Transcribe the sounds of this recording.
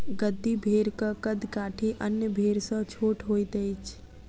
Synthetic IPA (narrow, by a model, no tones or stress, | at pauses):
ɡəd̪ːibʱeɾkəkəd̪kaːʈʰiʔənjəbʱeɾsə̃t͡ʃʰoːʈʰɦojt̪əjt͡ʃʰ